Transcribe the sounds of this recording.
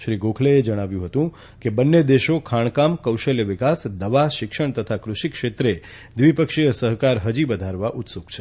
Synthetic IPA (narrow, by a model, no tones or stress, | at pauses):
ʃɾiɡokʰleed͡ʒəɽ̃aʋjũɦət̪ũ | kebənːed̪eʃokʰaɳ̃kamkəwʃəljəʋɪkasd̪əʋaʃɪkʃəɳ̃t̪ət̪ʰakɾʊʃikʃet̪ɾe | d̪ʋipəkʃijəsəɦkaɾɦəd͡ʒibəd̪ʱaɾʋaʔut̪soɡt͡ʃʰe